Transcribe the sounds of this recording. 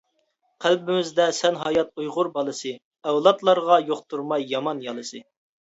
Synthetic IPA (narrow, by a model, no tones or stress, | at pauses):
qʰælbɪmɪzd̪ɛsɛnɦɑjɑt̪̚ujʁʊɾbɑlˠɨsɨ | ɛwlˠɑt̪lˠɑɾʁɑjoqt̪ʰuɾmɑjːɑmɑnjɑlˠɨsɨ